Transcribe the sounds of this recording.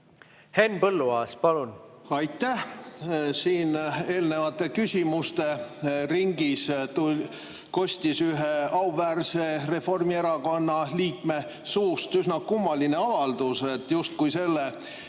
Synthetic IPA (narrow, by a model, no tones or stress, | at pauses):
henpɤlːuɑːspɑlunɑjt̪ːˑæh | siːne̞ːlne̞vɑt̪ːˑe̞kysʲimust̪e̞riŋɡist̪ul | ko̞sʲt̪isyɦeɑwvæːrse̞re̞fo̞rmie̞ɾɑko̞nːɑliːkme̞ | suːst̪ysnɑkumːɑlineɑvɑld̪use̞t̪ːjust̪̚kujse̞lːe